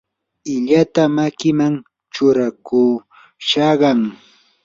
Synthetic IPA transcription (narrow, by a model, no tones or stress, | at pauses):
ɪʎat̪amakɪmaŋ | t͡ʃʊɾakuː | ʃɑɢɑŋ